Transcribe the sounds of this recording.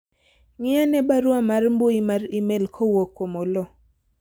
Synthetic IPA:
ŋɪanɛbaɾwamarmboimaɾimelkʰowokomolɔ

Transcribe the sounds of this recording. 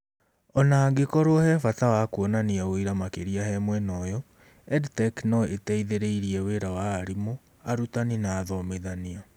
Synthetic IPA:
ɔnaːɡekɔɾoɔhɛfatawakuɔnaniaoiɾamakeɾiahɛmwɛnɔjɔ | ɛdtɛknɔetɛiðeɾeiɾiɛweɾawaːɾimo | aɾutaninaːðɔmeðania

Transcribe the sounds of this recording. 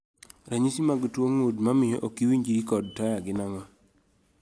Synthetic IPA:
ɾaɲisimaɡtwoŋudmamɪjoʔokiwiɲd͡ʒiɾikɔd̚tajaɡɪnaŋa

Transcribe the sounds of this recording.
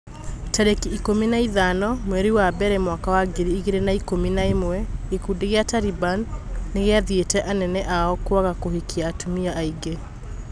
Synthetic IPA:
tɛɾekiːkominaiðanɔmwɛɾiwabɛɾɛmwakawaɡeɾiːɣeɾenaikominaemwɛekuːdeɣeataɾibanːeɣeaðietɛʔanɛnɛʔaɔkwaɣakohekiaːtumiaʔaiɡe

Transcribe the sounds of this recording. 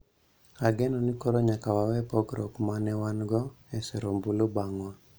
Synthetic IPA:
aɡɛnɔnikɔɾɔɲakawawɛpɔɡɾɔ̰kmanɛwanɡɔ | ɛsɛɾombulobaŋwa

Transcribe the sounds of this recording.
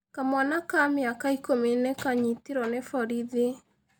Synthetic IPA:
kamwanakamjakaikominekaɲitiɾɔnefɔɾiðe

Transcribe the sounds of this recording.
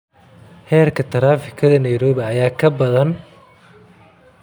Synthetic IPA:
hɛːrkʰɐt̪ʰɐɾaːfɪkʰɐðɐnɐjɾɔːβɪɐjaːkʰɐbɐðɐn

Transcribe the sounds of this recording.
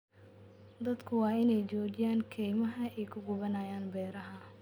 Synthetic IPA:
d̪ɐd̪kʰʊwɑːɪnɛjt͡ʃɔːd͡ʒɪjaːŋkʰɛjmɐɦɐʔɛjkʰʊɡʊβɐnɐːjaːnbɛːɾɐɦɐ

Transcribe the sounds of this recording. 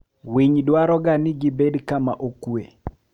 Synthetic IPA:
wiɲdwaɾɔɡanɪɡɪbedkama̰ʔokuḛ

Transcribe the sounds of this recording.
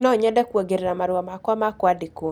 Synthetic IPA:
nɔɲɛdɛkweɡeɾeɾamaɾuamakwamakwadiko

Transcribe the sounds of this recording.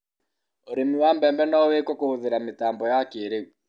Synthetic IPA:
oɾemiwambɛmbɛnaowekwɔkohoðeɾametaːmbɔjakeːɾeu

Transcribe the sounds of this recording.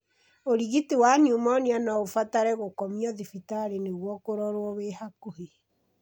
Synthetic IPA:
oɾiɣitewaɲumɔneanaofataɾɛɣokɔmiɔðifitaɾeneɣwɔkoɾɔɾwɔβehakohe

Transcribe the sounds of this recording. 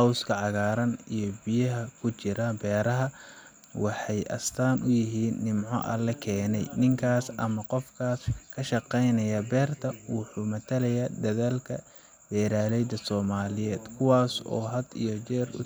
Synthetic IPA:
ɑwskʰɐʕɑɣaːɾɐnijɞbɪjɐɦɐkʰʊt͡ʃɪɾɐbɛːɾɐɦɐ | wɑħɑjʔɐ̰st̪ʰaːnʔʊjɪɦiːnːɪmʕɔ̰ʔɐ̰lɛkʰɛːnɛ̰jnɪŋkʰaːsʔɐ̰mɐqɔfkʰaːskʰɐʃɑqɛjnɐjaːbɛːrt̪ʰɐwɑħuːmɐt̪ʰɐlɐjaːd̪ɐðaːlkʰɐ̰ | b̥ɛːɾaːlɛjd̪ɐsɔːmaːlɪjɛːd̪̥kʰʊwaːsɔ̰ːɦɐd̪ijɞt͡ʃɛːrʊ

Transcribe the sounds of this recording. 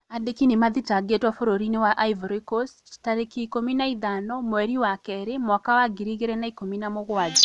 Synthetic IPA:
adekinimaðitaɡetwafoɾoɾinewaʔaivoɾikos | taɾekiːkominaiðanɔmwɛɾiwakɛɾemwakawaɡiɾiɣeɾɛnaikominamoɣwad͡ʒa

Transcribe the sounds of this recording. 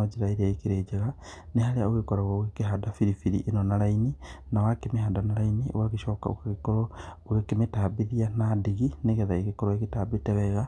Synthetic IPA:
ad͡ʒiɾaeɾiaikiɾed͡ʒeɣanehaɾeaoɣekoɾaɣawekeɦadafiɾifiɾḭʔenonaɾaininawakemehaːdanaɾainio̰waɣiʃɔːkao̰kakikoɾo | wekemetabiðianadiɣineɣeðaekekoɾoekitabitɛβɛɣa

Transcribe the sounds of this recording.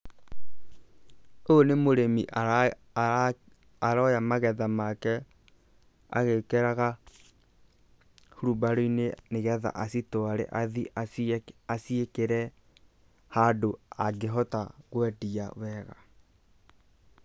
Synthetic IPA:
onemoɾemiʔa | aɾɔjamaɣɛðamakɛ | a̰ɣekɛɾaɣa | hoɾubaɾoineneɣɛða̰ʔasitwaɾɛ̰ʔaðiʔaasiekeɾɛ | hadoaɡeɦɔtaɣwɛdiawɛɣa

